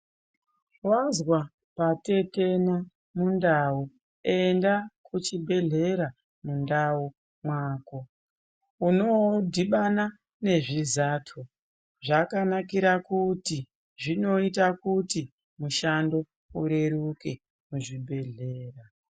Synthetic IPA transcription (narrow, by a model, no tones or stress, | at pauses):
wazwa | pate̞tena | mundau | endakʰut͡ʃibʱe̞ɮe̞ɾa | mundau | mwaːko̞ | uno̞dʱiɓana | ne̞ʐizaːtʰo | ʐakanakiɾakuti | ʐino̞itakuti | muʃando̞ | uɾe̞ɾuke̞ | muʐibʱe̞ɮe̞ːra